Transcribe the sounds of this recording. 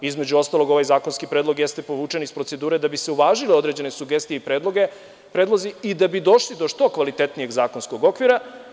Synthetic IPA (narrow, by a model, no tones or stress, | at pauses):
izme̞d͡ʑuo̞st̪alˠo̞ɡo̞ʋajzaːko̞nskipɾe̞ːd̪lo̞ɡjest̪epo̞ʋuːt͡ʃe̞nispɾo̞t̪se̞d̪uːɾe̞d̪abiseuʋaːʒileo̞d̪ɾe̞d͡ʑe̞ne̞suɡe̞st̪ijeipɾeːd̪lˠo̞ɡe̞ | pɾedlˠo̞ziid̪abid̪o̞ʃlid̪oʃt̪o̞kʋalit̪e̞t̪nije̞ɡzaːko̞nskoɡo̞kʋiɾa